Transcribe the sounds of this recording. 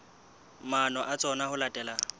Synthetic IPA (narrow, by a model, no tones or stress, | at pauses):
manɔʔat͡sʼɔnahʊlatʼɛːla